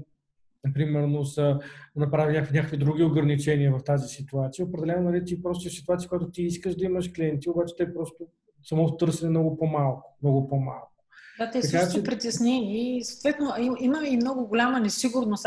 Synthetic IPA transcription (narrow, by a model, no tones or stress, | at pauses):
pɾimɛɾnosənɐpɾavʲilnʲakəkvinʲakəkvʲid̪ɾuɡʲioɡɾɐnit͡ʃɛniəvɐft̪azisit̪uat̪sijəopɾɛd̪ɛlɛnonɐlit̪ipɾɔst̪oɛsit̪uat̪sijəkʊjat̪ʊt̪iiskəʒd̪ɐiməʃkliɛnt̪iobat͡ʃɛ̥t̪ɛpɾɔst̪o | sɐmɔt̪ot̪ɤɾsɛnɛmnɔɡʊpomalˠkʊ̥mnɔɡʊpoma̰lˠkʊ̥d̪at̪ɛsɐkatt͡ʃ̪oɛpɾit̪ɛsnɛnisoːt̪vɛt̪noiiməmiimnɔɡʊɡʊlʲamənɛsiɡʊɾnos